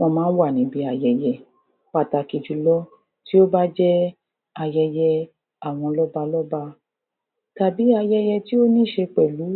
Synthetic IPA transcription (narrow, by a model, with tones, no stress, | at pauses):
w̃ɔ̃˧mãː˦n̩˦wa˦˨nĩ˨˦bi˦a˧jɛ˧jɛ˧ | k͡pa˦˨ta˨ki˨d͡ʒu˨lɔ˦ | ti˦o˦ba˦d͡ʒɛ˦ | a˧jɛ˧jɛ˧ | a˦˨w̃ɔ̃˧lɔ˦ba˧lɔ˦ba˧ | ta˨bi˨˦a˧jɛ˧jɛ˧ti˦o˦nĩ˦ʃe˧k͡pɛ˨lu˨˦